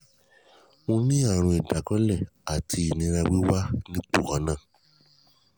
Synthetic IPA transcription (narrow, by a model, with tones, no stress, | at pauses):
mũ˧nĩ˦a˦˨ɾ̃ũ˧i˨da˨kɔ̃˦lɛ˦˨a˨tʰi˧i˨nĩ˧ɾ̃ã˧wi˦wa˦nĩ˦k͡pu˦˨hɔ̃˨˦nãː˦˨